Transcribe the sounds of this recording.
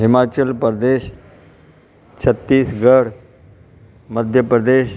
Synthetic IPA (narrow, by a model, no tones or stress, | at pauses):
ɦimat͡ɕəlpɾəd̪eːɕ | t͡ɕʰət̪ːiːsɡəɽ | məd̪ʱjəpɾəd̪eːɕ